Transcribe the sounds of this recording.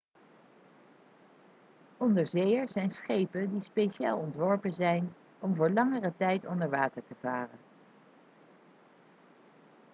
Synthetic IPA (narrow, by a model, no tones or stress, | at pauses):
ɔndəɹzejəɹzɛjnsχejpəndispejʃa̰ːlˠɔntʋɔɹpənzɛjn | ɔmvʊːɹlɑŋərətɛjtɔndəɹʋaːtəɹtəvaːrən